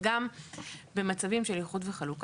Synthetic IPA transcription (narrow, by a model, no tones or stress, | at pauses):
ɡambe̞mat͡savimʃe̞ljiχutveχaluk